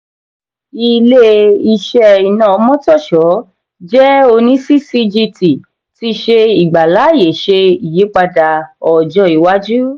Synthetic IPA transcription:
i˧le˦i˧ʃɛ˧i˨nãː˨ɔ˧˦mɔ̃˦tɔ˦˨ʃɔ˨˦ | d͡ʒɛ˦o˧nĩ˦si˦si˧d͡ʒi˧ti˨ | ti˧˦ʃe˧i˨ɡ͡ba˨la˨˦˨je˨ʃe˧i˨je˨˦k͡pa˧da˧ɔ˨d͡ʒɔ˧˦i˨˦wa˦d͡ʒu˦

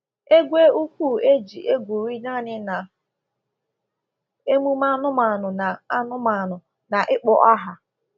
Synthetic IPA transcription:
e˦ɡʷe˦u˦kʷu˦˨e˦d͡ʒi˨ʔe˦ɡʷu˨ɾi˦na˦˨nɪ˦na˨ | e˦mu˦ma˦nʊ˦ma˨nʊ˨na˨a˦nʊ˦ma˨nʊ˨ | na˨ʔɪ˦k͡pɔ̰˨ʔa˦ɦa˨

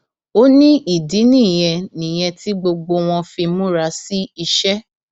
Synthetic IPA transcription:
o˦nĩ˦i˦˨di˨˦nĩ˦˨j̃ɛ̃˧nĩ˨j̃ɛ̃˧ti˦ɡ͡bo˧ɡ͡bo˧w̃ɔ̃˧fi˧mũ˦ɾa˧˦si˦i˧ʃɛ˦

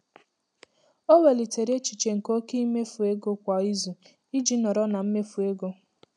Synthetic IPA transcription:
o˦we˨li˨te˨ɾe˦t͡ʃi˨t͡ʃe˨ŋ̩˨ko˦ke˦i˦me˦fu˨e˦ɡo˦kʷa˨i˦zu˨ | i˦d͡ʒi˦nɔ˨ɾɔ˦na˨m̩˦me˦fu˨e˦ɡo˦

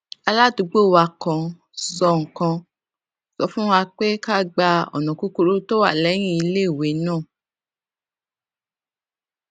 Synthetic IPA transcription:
a˧la˦du˨˧˦ɡ͡bo˦˨wa˧kã˧ | sɔ˧ŋ̩˨kã˧ | sɔ˨˦fũ˦a˧k͡pe˦ka˦˨ɡ͡ba˧ɔ̰˨nɔ̃˨ku˦ko˧ɾo˦to˦wa̰˦˨lɛ˨˦j̃ĩ˦i˧le˦˨we˨˦nãː˦˨

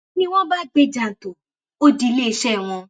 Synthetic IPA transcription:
nĩ˦w̃ɔ̃˦ba˦˨ɡ͡be˦d͡ʒã˨n̩˨to˨ | o˦di˧˦le˦˨˦ʃɛ˦˨w̃ɔ̃˧

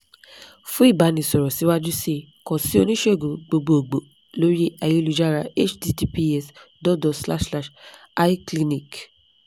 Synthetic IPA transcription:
fũ˦i˦˨ba˨˦nĩ˨sɔ˨ɾɔ˨si˨˦wa˦d͡ʒu˦si˦ | kɔ̃˨si˦o˧nĩ˦ʃe˦o˦˨ɡo˨ɡ͡bo˧ɡ͡bo˨o˨ɡ͡bo˨ | lo˦ɾi˦ɛ˧jo˦˧lu˨˧d͡ʒa˦ɾa˧e˦t͡ʃdi˧ti˧pi˧ɛ˦sdɔ˦dɔ˨sla˦ʃla˧ʃ | a˦i˦kli˧nĩ˦˨k

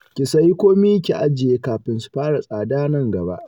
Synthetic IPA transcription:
kʲɪ˨sɐ˦ji˦kʷoː˦miː˦kʲḭ˨ʔa˦d͡ʒɪ˨jeː˦kaː˨ɸɪ˦nsu̥˨ɸaː˦ɽa˨sʼaː˨daː˦nɐ˦˨ŋɡɐ˨ba̰˦ʔ

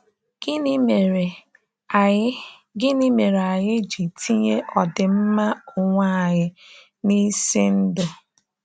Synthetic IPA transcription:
ɡ̥ɪ˦n˦e˨ɾe˨ | a˨˦ | ɡɪ˦ni˦me˨ɾa˨ɦɪ˦d͡ʒi˨tʰi˦ɲe˦ʔɔ˨dɪ˨m̩˦ma˦ʊ˨ŋʷa˦a˨ɲɪ˦ | ni˦si˦n̩˦dʊ˨

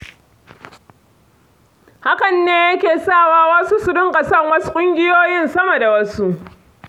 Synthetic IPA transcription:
ha˦kɐ˨nːeː˦jɐ˦kʲeː˨saː˦˨waː˦wɐ˦su˦su˨dʊ˦ŋkʼa˨sɐ˦˨ŋwɐ˦su̥˦kʷʼʊ˦ŋɡʲɪ˦joː˦jɪ˦nsɐ˦mɐ˨da˨wɐ˦su˦ʔ

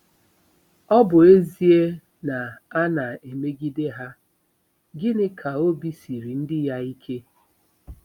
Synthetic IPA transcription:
ɔ˦bʊ˨e˦zi˦e˦ | na˨a˦na˨e˨me˦ɡi˦de˦ɦa˦ | ɡɪ˦nɪ˦kʰa˨o˦bi˦si˨ɾi˨n̩˦dɪ˦ja˦i˦kʰe˦

